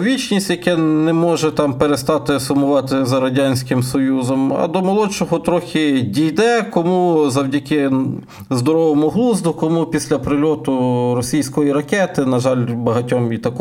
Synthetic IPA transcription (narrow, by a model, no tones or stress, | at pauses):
ʋʲit͡ʃnʲisʲtʲjɐkɛnɛmɔʒɛt̪ɑmpeɾest̪ɑt̪ɪsʊmʊʋɑt̪ɪzɐɾɐdʲanʲsʲkɪmsɔjuzɔmɐ̰d̪ɔmɔlˠɔt͡ʃɔɦɔt̪ɾɔxʲɪdʲijd̪ɛkɔmuzɐwdʲɐkɪ | zd̪ɔɾɔʋɔmʊɦlˠuzd̪ʊkɔmupʲisʲlʲɐpɾɪlʲɔt̪ʊɾɔsʲijsʲkɔjiɾɐkɛt̪ɪnɐʒɑlʲbɐɦɐtʲɔmit̪ɐkɔ